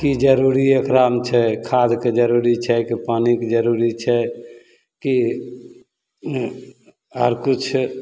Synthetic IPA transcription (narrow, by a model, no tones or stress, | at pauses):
kid͡ʒəɾuɾiekɾamt͡ʃʰɛkʰad̪ʱked͡ʒəɾuɾit͡ʃʰɛkipanikd͡ʒəɾuɾit͡ʃʰɛ | ki | əɾkut͡ʃʰ